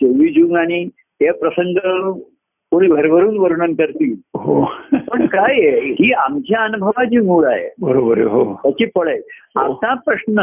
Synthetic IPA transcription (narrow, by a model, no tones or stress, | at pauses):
t̪eʋiːd͡ʑuːŋɡaɽ̃i | tepɾəsəŋɡə | koɽ̃iːbʱəɾbəɾuːnʋəɾuɳənkəɾt̪iːɦopəɳkajeɦiːamt͡ɕjaənubʱəʋad͡ʑiːmuːɽaɦḛbəɾobəɾ̰ɦot̪at͡ɕiːpəɭəjɦa̰t̪ãpɾəsnə